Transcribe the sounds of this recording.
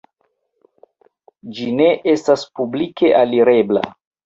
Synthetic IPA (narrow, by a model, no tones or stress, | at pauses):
d͡ʒine̞ʔe̞staspublikʰe̞ʔaliɾe̞bla̰